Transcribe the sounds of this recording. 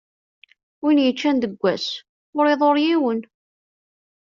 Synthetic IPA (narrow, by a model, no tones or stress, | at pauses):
winjət͡ʃːænd̪əɡʷːæs | oɾeðˤoɾjiwən